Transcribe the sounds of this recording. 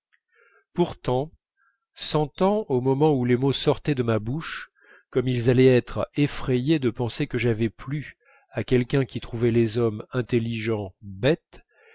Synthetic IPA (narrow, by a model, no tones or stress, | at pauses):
puʁt̪ɑ̃ | sɑ̃t̪ɑ̃omɔmɑ̃ulemosɔʁt̪ɛd̪əmabuʃ | kɔmilzalɛɛt̪χefχejed̪əpɑ̃sekəʒavɛply | akʲɛlkʲɛ̃kʲit̪χuvɛlezɔmɛ̃t̪eliʒɑ̃bɛt̪